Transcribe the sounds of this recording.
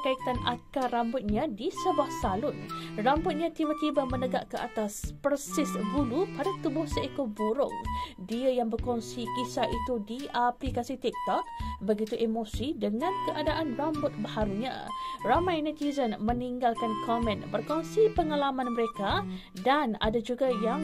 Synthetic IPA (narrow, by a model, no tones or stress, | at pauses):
kait̪anakarambʊt̪̚ɲãdisəbuahsalʊnrambʊt̪̚ɲãt̪ibat̪ibamənəɡaʔkəʔa̰t̪aspərsɪsbulupadat̪ubʊhsəekobuɾʊ̰ŋdiəjaŋbərkɔŋsikisaʔit̪udiaplikasit̪ɛk̚t̪ɔk̚bəɡit̪uʔemosidəŋãnkəʔadaʔanrambʊt̪̚bəhaɾuɲã̰ramajnət̪izənməniŋɡalkankʰɔmɛ̃nbərkɔŋsipəŋalamãnməɾeka | dana̰dad͡ʒuɡajaŋ